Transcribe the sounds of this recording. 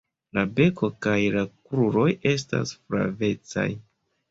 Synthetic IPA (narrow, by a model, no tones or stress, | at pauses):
labe̞ko̞kajlakɾuɾo̞je̞s̬ta̰sfɾa̰ve̞t͡sa̰j